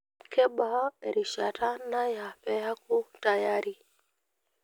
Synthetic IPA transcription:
kɛ˦ɓa˨a˦ɛ˨ɾi˨ʃata˦na˦ja˨pɛ˦ja˦ku˦ta˨jaɾi˨

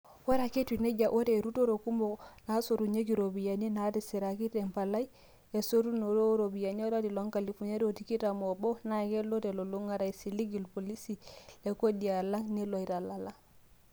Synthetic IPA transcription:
wa˦ɾa˨ke˦twi˨ne˦ɟa˨ʔo˦ɾe˨ɾu˦to˦ɾo˨ku˦mo˨na˨˦so˨ɾu˨ɲe˦k̬i˨ɾo˨bi˨ja˨ne˦na˨˦ti˨si˨ɾa˨ki˦te˨mpa˨la˦i˦ | e˨so˦ɾu˦no˨ɾo˦ɾo˨bi˨ja˨ɲe˦ɾa˦ti˨lo˦ŋka˨li˨fu˨ɲe˦ɾo˨ti˨ki˦ta˨mo˨bo˦na˨ke˦lo˦te˨lo˨lo˦ŋa˦ɾa˨i˨si˨li˦ɡi˨lpo˨li˦si˨le˨ko˦di˨a˨la˦ŋne˦lwa˨i˨ɾa˨la˨la˦ŋ

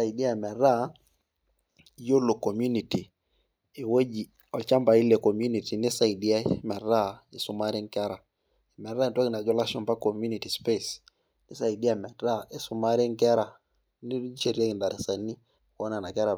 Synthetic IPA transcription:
a˨i˨di˦a˦˨mɛ˨ɾa˦ | jo˦lo˨ko˨mju˦ni˨ti˨ | e˨we˦d͡ʒi˨ | ɔ˨t͡ʃa˦mba˨i˦le˨ko˨m˦u˦ni˨ti˨nɪ˦sa˨i˨di˦a˦mɛ˨ra˦˨i˨su˨˦ma˦ɾi˦ŋkɛ˦ɾa˨ | e˨mɛ˨ɾa˦˨nta˦kɪ˨na˨d͡ʒɔ˦la˦ʃɔ˨npa˦ko˨mju˦ni˨ti˨spe˦s | nɪ˦sa˨i˨di˦a˦˨mɛ˨ɾa˦e˨sʊ˨ma˦ɾɪ˦ŋkɛ˦ɾa˨ | ni˦t͡ʃe˨ɾi˦a˦kɪ˨nda˨ɾi˨sa˨nːi˦˨ | kɔ˦na˨na˨kɛ˦ɾa˨

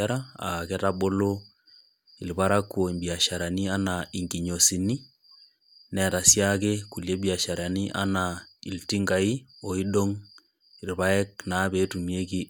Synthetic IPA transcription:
aɾa˦a̰˨kɛ˦ta˦ɓo˦lo˦ | i˨lba˦ɾa˦kːwo˨ɲbi˨a˨ʃa˨ɾa˨ni˦a˦na˨i˨ŋɡi˨ɲo˨si˨ni˦ | nɛ˨ta˨sja˦ke˦ku˨lje˦bi˦a˨ʃa˨ɾa˨ni˦ʔa̰˦na˨i˨lti˦ŋɡa˨i˦o˨i˦ɗo˦ŋ | i˨rba˦ɛ˦k̚na˦be˨˦tu˨mje˦ki˦

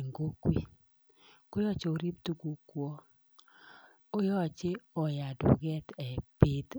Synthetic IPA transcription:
ŋɡo˦kwi˦˨ | ko˦jɔ˦t͡ʃe˨o˦ɾi˦p̚t̪u˦ɡu˦kwɔ˦ | o˦jɔ˦t͡ʃe˦ɔ˨ja˨dṵ˨ɡɛ˦t̪ɛ˨pɪ˦t̪

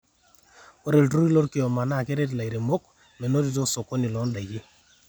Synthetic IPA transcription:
o˦ɾe˨ltɾu˦ɾi˦lo˦ɾkɪ˨ɔ˨ma˨na˦˨ke˦ɾe˦t̬la˨i˨ɾe˨mo˦k | mɛ˨no˦ɾi˦to˦so˨ko˦ni˨lɔ˨˦nda˨ɡi˦

